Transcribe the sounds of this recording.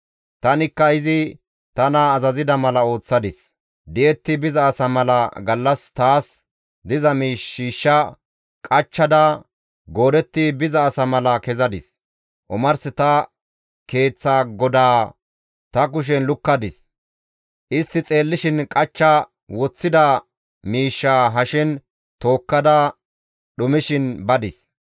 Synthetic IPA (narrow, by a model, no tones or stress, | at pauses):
t̪ɐnɪkːɐɪzɪ | t̪ɐnɐːzɐzɪd̪ɐmɐlɐo̞ːt͡sːɐd̪ɪs | d̪ɪjɛt̪ːɪbɪzɐːsɐmɐlɐɡɐlːɐst̪aːs | d̪ɪzɐmiːʃːiːʃːɐ | kʼɐt͡ʃːɐd̪ɐ | ɡo̞ːd̪ɛt̪ːɪbɪzɐːsɐmɐlɐkɛzɐd̪ɪs | ʔʊmɐɾsɪt̪ɐ | ke̞ːt͡sːaːɡɔd̪aː | t̪ɐk̬ʊʃ̬ɛnlʊkːɐd̪ɪs | ʔɪst̪ːɪt͡sʼe̞ːlːɪʃɪnkʼɐt͡ʃːɐ | wɔt͡sːɪd̪ɐ | miːʃːaːɦɐʃɪn | t̪o̞ːkːɐd̪ɐ | ɗʊmɪʃɪnbɐd̪ɪs